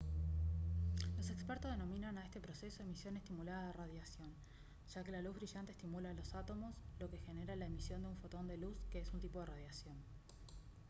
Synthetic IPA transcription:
lo̞se̞kspeɾt̪ozðenomĩnanaest̪epɾo̞sesoðemisjo̞ne̞st̪imulaðaðeraðjasjo̞n | ʒ̥ake̞laluzβɾiʒant̪est̪imulalo̞sat̪o̞mo̞slo̞kexe̞ne̞ɾalaemisjo̞nd̪euɱfot̪o̞nd̪e̞luskeesunt̪ipo̞ð̞eraðjasjo̞n

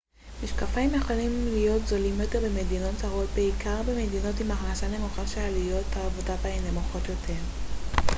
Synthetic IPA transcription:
miʃkafaimjeχolimlijo̞tzo̞limjot̪eʁbemedino̞tt͡saʁo̞t̚beikaʁbemedino̞timaχnasane̞muχaʃealijo̞taːvodataene̞muχo̞tjo̞tʰe̞ʁ

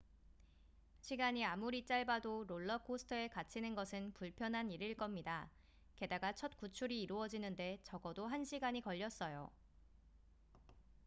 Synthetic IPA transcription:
ɕʰiɡaɲiamuɾit͡ɕ͈aɭbadoɾoɭːʌkʰosʰɯ̥tʰʌe̞kat͡ɕʰinɯnɡʌsʰɯnpuɭpʰjʌnɦaniɾiɭk͈ʌmɲida | ke̞daɡat͡ɕʰʌt̚kut͡ɕʰuɾiːɾuʌd͡ʑinɯnde̞t͡ɕʌɡʌdoɦanɕʰiɡaɲikʌʎːʌs͈ʌjo̰

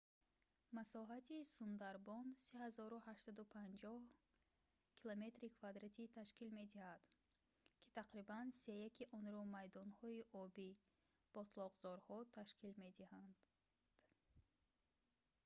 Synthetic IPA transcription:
masɔɦat̪ʰisund̪aɾbɔnsehazɔɾuhaʃt̪sad̪upʰand͡ʒɔh | kʰilome̞t̪ɾikʰvad̪ɾat̪ʰit̪ʰaʃkilme̞d̪ihad̪̥ | kʰi̥t̪ʰaqɾibanse̞jakʰiʔɔnɾɔmajd̪ɔnhɔiʔɔbi | b̥ɔt̪ʰlɔʁzɔɾhɔt̪ʰaʃkʰilme̞d̪ihand̪ | d̪̥

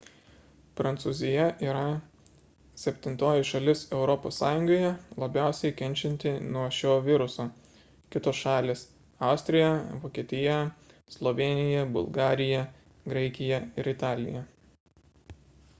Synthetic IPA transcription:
pɾɐnt̪suːzʲɪjɛʔiːɾɐ | sʲɛpʲt̪ʲɪnt̪oːjɪʃɐlʲɪsɛʊɾɔpoːsːɑːjʊŋɡoːjɛlˠɐbʲæˑʊsʲɛɪkʲɛnʲt͡ʃʲɛnʲt̪ʲɪnuɔʃʲoːʋʲɪɾʊsoː | kʲɪt̪oːsʃɑːlʲeːs | ɑʊsʲt̪ʲɾʲɪjɛʋoːkʲiɛt̪ʲɪjɛ | slˠɔʋʲeːnʲɪjɛbʊ̰lˠɡɑːɾʲɪjɛ | ɡɾɐɪkʲɪjɛɪɾɪt̪ɑːlʲɪ̰jɛ

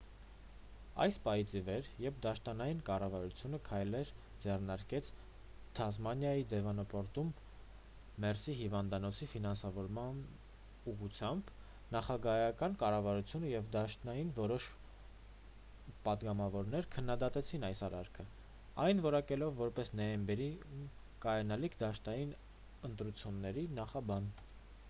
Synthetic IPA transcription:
ɑ̰jspɑit͡sivɛɾjɛpd̪ɑʃt̪ɑnɑjinkɑrɑvɑɾut͡sʰjunəkʰɑjlɛɾ | d͡zɛrnɑɾkɛt͡sʰ | t̪ʰɑzmɑnjɑjid̪ɛvɑnɔpɔɾt̪umː | ɛrsiɦivɑnd̪ɑnɔt͡sʰifinɑnsɑvɔɾmɑn | uʁut͡sʰjɑmb | nɑχɑɡɑjɑkɑnkɑrɑvɑɾut͡sʰjunəjɛvd̪ɑʃt̪nɑjinvɔɾɔʃ | pɑd̪ɡɑmɑvɔɾnɛɾkʰənːɑd̪ɑt̪ɛt͡sʰinɑjsɑɾɑɾkʰə | ɑjnvɔɾɑkɛlɔvːɔɾpɛsnɔjɛmbɛɾim | kɑjɑnɑlikʰd̪ɑʃt̪ɑjin | ənt̪ɾut͡sʰjunːɛɾinɑχɑbɑn

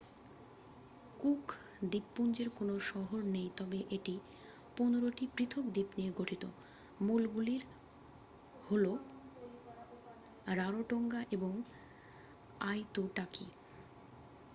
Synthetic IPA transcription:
kukʰ | d̪ipːund͡ʑeɾkonoʃɔɦoɾnejt̪ɔbeʔeʈi | ponoɾoʈipɾit̪ʰokd̪ipnieɡoʈʰit̪o̰ | mulɡuliɾ | holo | ɾaɾoʈoŋɡaʔeboŋ | ajt̪oʈaki

